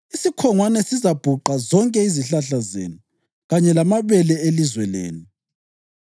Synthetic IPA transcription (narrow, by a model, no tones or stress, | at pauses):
isikʰɔŋwanɛsizab̥ʱuǃazɔŋkʼɛiziɬaɬazḛnu | ɣaɲɛlamaβɛlɛelizwɛlḛːnu